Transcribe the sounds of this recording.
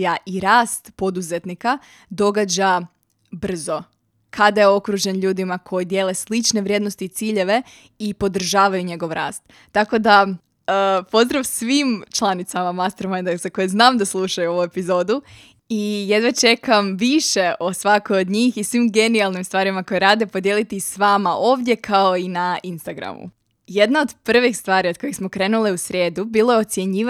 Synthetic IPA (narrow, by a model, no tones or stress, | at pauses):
jaʔiɾaːst̪po̞d̪uze̞t̪nika | d̪o̞ɡad͡ʑa | br̩zo̞ | kʰad̪ajeo̞kɾuʒenʎuːd̪imakʰo̞jid̪je̞ːle̞slˠit͡ʃne̞ʋɾjed̪no̞st̪iːt̪siːʎe̞ʋe | ipo̞d̪r̩ʒaːʋajuɲe̞ɡo̞ʋɾa̰ːst̪ːako̞d̪a | əpo̞zd̪ɾaʋsʋimt͡ʃlˠanit̪samamast̪eɾmajnd̪eksako̞jeznaːmd̪aslˠuʃajuo̞ʋue̞pizo̞ːd̪u | ijed̪ʋat͡ʃe̞kamʋiʃe̞ʔo̞sʋakojod̪ɲiːxisʋimɡe̞nialˠnimst̪ʋaːɾimako̞jeɾaːd̪e̞po̞d̪jelit̪isʋaːmaʔo̞ːʋd̪ʲje̞kʰao̞inainst̪aɡɾa̰mṵ | je̞d̪naod̪pr̩ʋexst̪ʋaːɾio̥kojexsmo̞kɾe̞ːnuliusɾʲe̞ːd̪ubiːlˠojeo̞t̪sje̞ɲiːʋa